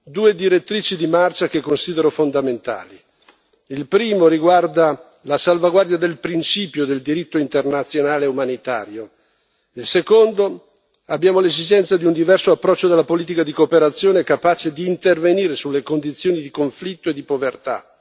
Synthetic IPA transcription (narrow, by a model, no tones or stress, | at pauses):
d̪uːed̪iɾet̪ːɾiːt͡ʃid̪imart͡ʃakekːonsiːd̪eɾofond̪ament̪a̰ːli | ilpɾiːmoɾiɡward̪a | lasalvaɡward̪jad̪elpɾint͡ʃiːpjod̪eld̪iɾit̪ːoint̪ernat̪sːjonaːleumanit̪a̰ːɾjo | ilsekond̪o | abjaːmolezid͡ʒɛnt̪sad̪iund̪ivɛrsoapːɾɔt͡ʃːod̪elːapoliːt̪̬ikad̪ikopeɾat̪sːjoːnekapaːt͡ʃed̪iːnt̪erveniːɾesulːekond̪it̪sːjoːnid̪ikoɱflit̪ːoed̪ipovert̪a̰